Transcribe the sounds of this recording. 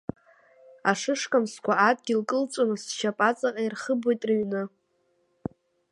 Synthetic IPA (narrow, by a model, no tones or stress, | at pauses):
aʂɨʂkʼamskʷʰaad̚ʼɡʲilkʼɨlt͡sʷʼonɨsʃapʼat͡sʼaqʼairχəbojtʼrɨɥnɨ